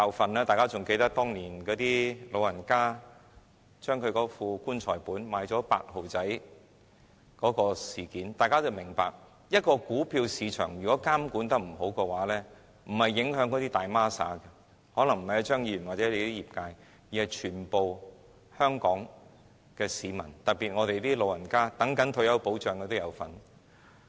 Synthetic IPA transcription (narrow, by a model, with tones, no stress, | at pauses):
kaː˧wfɐ˨nlɛː˥t̪aː˨jkaː˥t͡sʊ˨ŋke˧t̪ɐ˥k̚t̪ɔː˥ŋniː˨˩nkɔː˨˥t̪iː˥lo˨˧wjɐ˨˩nkaː˥ | t͡ʃœː˥ŋkʰɵ˨˧ɥkɔː˨˧˥fuː˧kuː˥nt͡ʃʰɔː˨˩jpuː˨˥nmaː˨˧˥jt͡sɔː˨˥pa̰ː˧k̚ho˨˩wt͡sɐ˨˥j | kɔː˨˥kɔː˧siː˨˩kiː˨˥nt̪aː˨jkaː˥t͡sɐ˧wmɪ˨˩ŋpa̰ː˨k̚ | jɐ˥t̚kɔː˧kuː˨˥pʰiː˧wsiː˨˧t͡ʃʰœ̰ː˨˩ŋjyː˨kɔː˨˥kaː˥mkuː˨˥nt̪ɐ˥k̚m̩˨˩ɦo˨˥wkɛː˧waː˨˥lɛː˥ | m̩˨˩hɐ˨jːɪ˨˥ŋɦœː˨˥ŋkɔː˨˥t̪iː˥t̪aː˨jmaː˥sa̰ː˨˥kɛ˧ | hɔː˨˥lɐ˨˩ŋm̩˨˩hɐ˨jɐ˨˧t͡ʃœː˥ŋjiː˧ɥy˨˩nwaː˨t̚t͡sɛ˨˥le˧˥t̪iː˥jiː˨˩p̚kaː˧j | ji˨hɐ˨˩jt͡ʃʰyː˨˩npo˨w | hœː˥ŋkɔː˨˥ŋ | kɛː˧siː˨˧mɐ̰˨˩nt̪ɐ˨k̚pi˨t̚ŋɔː˧ɾe˨jt̪iː˥lo˨wɐ˨˩nkaː˥t̪ɐ˨˥ŋkɐ˨˥nt̪ʰɵ˧ɥjɐ˨˧wpo˨˥wt͡ʃœː˨ŋkɛ˧t̪o˥jɐ˨˧wfɐ̰˨˩n